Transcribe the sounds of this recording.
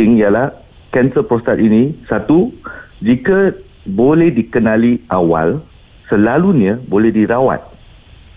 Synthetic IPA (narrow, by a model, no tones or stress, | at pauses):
ɪŋjalah | kɛnsəpɾost̪at̪̚inĩsat̪ud͡ʒika | bolɛhdikənãliʔawa̰l | səlaluɲãbolɛhdiɾawa̰t̪̚